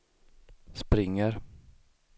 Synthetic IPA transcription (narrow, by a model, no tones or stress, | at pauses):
spɾɪŋːəɾ